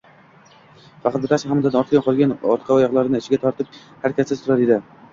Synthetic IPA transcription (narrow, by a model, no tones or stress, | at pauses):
fɑqʰɑt̪̚bɪt̪ʰashamd̪ad̪aɒɾt̪ʰɡʲanqʰɒlˠɡʲanɒɾt̪qʰɑɒjɒʁlˠaɾɪnɪɪt͡ʃʰɪɡʲat̪ʰɒɾt̪ɪp̚ | haɾkʲasasʊɾaɾed̪ɪ